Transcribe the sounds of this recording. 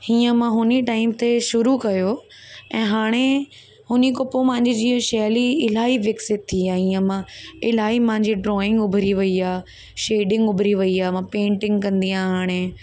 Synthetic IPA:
hiːə̃mãɦʊniʈaːɪmt̪eʃʊɾukɐjo | ɛ̃ːɦaːɽ̃e | ɦʊnikʊpomɐ̃ɦɪ̃ɲd͡ʑid͡ʑĩːʃɛːliɪlaːɦiʋɪksɪt̪̚t̪ʰːiaːɦɦiːə̃mãɪlaːɦimɐ̃ɦɪ̃ɲd͡ʑiɖɾɔːɪ̃ŋɡʊbʱɾiʋɐiaː | ʃeːɖɪ̃ŋɡʊbʱɾiʋɐiaːmãpẽːɳʈɪ̃ŋɡkɐ̃nd̪iãɦaːɽ̃e

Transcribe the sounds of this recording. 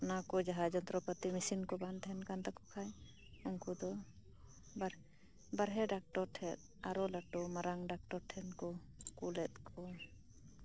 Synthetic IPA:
nakɔd͡ʒaɦad͡ʒɔnt̪ɾɔpət̪imisinkɔbant̪ʰɛnkant̪akɔkʰaj | ɔŋkud̪ɔ | ba | baɾɦɛɖak̚ʈɔɾʈʰɛt̪̚ | aɾɔlaʈɔmaɾaŋɖak̚ʈɔɾʈʰɛnkɔ | kulɛt̪̚kʰɔ

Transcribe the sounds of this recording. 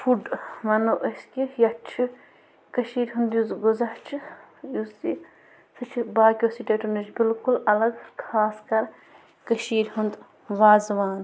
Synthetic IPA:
fuɖmɐnoʔɐskʲijɐt͡ʃʰi | kɐʃiːɾʲɦund̪juzɡozɐht͡ʃʰijusi | sɨt͡ʃʰibaːkʲjosiʈeʈunɐt͡ʃbilkulɐlɐɡkʰaːskɐɾ | kɐʃiːɾʲɦund̪ | ʋaːzʋaːn

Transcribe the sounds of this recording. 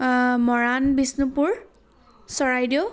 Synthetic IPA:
mɔɹanbisnupuɹ | sɔɹajdiʊ

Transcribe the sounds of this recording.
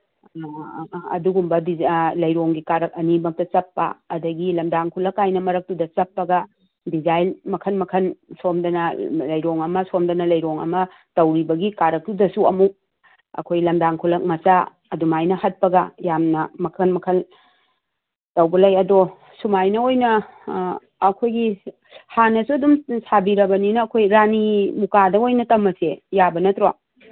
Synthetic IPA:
ɐ̰duɡumbɐdilɐjɾoŋɡikaɾɐk̚ɐnimɐk̚tɐt͡ʃɐpːɐ̰ːdɐɡilɐmdaŋkʰulɐkːajnɐmɐɾɐk̚tudɐt͡ʃɐpːɐɡɐ | dizajlmɐkʰɐnmɐkʰɐnsomdɐnɐlɐjɾoŋɐmɐsomdɐnɐlɐjɾoŋɐ̰mɐ | tɐwɾibɐɡikaɾɐk̚tudɐsuɐmuk̚ | ɐ̰kʰojlɐmdaŋkʰulɐk̚mɐsa | ɐdumajnɐhɐt̚pɐɡɐjamnɐmɐkʰɐnmɐkʰɐl | tɐwbɐlɐjɐdo | sumajnɐojnɐ | kʰojɡi | hanɐsuɐdumsabiɾɐbɐninɐːkʰojɾanimukadɐojnɐtɐmːɐsejabɐnɐtɾo

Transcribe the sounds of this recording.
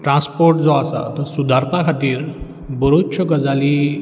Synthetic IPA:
ʈɾãspoɾʈd͡zɔasa̰t̪əɾsud̪ʱaɾtʰakʰat̪iːɾ | bəɾot͡ɕʰəkəd͡zali

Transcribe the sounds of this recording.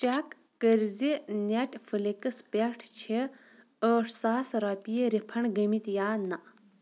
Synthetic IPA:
t͡ʃakː | əɾzineʈfɨlikəspeʈʰt͡ɕʰe | əːʈʰsaːsɾaːpijeɾipʰɐɳɡəmit̪jaːnaʔ

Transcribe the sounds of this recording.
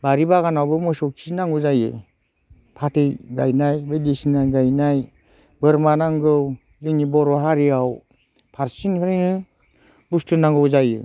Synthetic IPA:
baɾibaɣanawbɯmɔsɔksinaŋɡuzajḛ | pʰatʰejɡajnajbedisinajɡajnaj | bɯɾmanaŋɡɯw | liŋnibɔɾɔɦaɾiaw | pʰaɾsinpʰaɾinɯ | bustunaŋɡɯwzajḛ

